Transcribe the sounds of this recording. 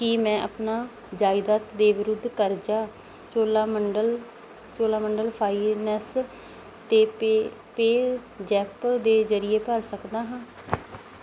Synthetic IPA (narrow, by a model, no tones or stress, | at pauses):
kiːmɛ̃ːʔə̰pnaː | d͡ʒaːɪd̪aːt̪d̪eːʋɪɾʊd̪ʱːkəɾd͡ʒaː | t͡ʃoːlaːməɳɖəl | t͡ʃoːlaːməɳɖəlpʰaːiːɛnɛs | t̪eːpeːd͡ʒɛːpd̪eːzəɾɪeːpəɾsəkd̪aːɦãː